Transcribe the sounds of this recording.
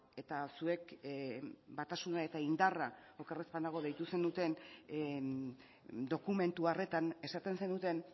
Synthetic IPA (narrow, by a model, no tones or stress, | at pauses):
e̞t̪asue̞k | bat̪asunae̞t̪aind̪araokerespand̪aɣ̞o̞ðe̞jt̪use̞nut̪e̞n | d̪o̞kume̞nt̪uare̞t̪ane̞sat̪e̞nse̞nut̪e̞n